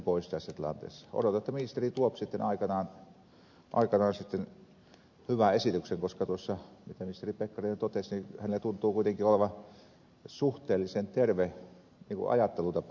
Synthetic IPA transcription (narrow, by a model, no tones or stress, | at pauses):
poˑist̪æsːæt̪ilɑ̰nt̪ḛːsːɑ̥o̰dot̪ɑet̪ːæmist̪erit̪uopsit̪ːenɑikɑnɑːn | ʔɑ̰ikɑnɑːnsit̪ːen | hyʋæesit̪ykseŋkoskɑt̪uosːɑmit̪æmist̪eripekːɑrint̪ot̪esnihænelːæt̪unt̪ˑuːkuit̪eŋkioleʋɑ | suht̪eːlːˑisent̪erʋe | niːŋkṵʔɑ̰jɑt̪ːelut̪ɑp